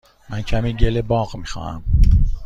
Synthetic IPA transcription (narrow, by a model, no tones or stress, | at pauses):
mæncʰæmiːɟelebɒːɣmixɑ̰ːnæ̰m